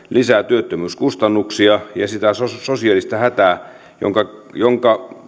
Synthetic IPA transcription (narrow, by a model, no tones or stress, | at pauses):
lisæt̪yøt̪ːømyːskust̪ɑnːuksiɑjɑsit̪æososiɑlist̪ɑhæt̪æː | jo̰ŋkɑjoŋkɑ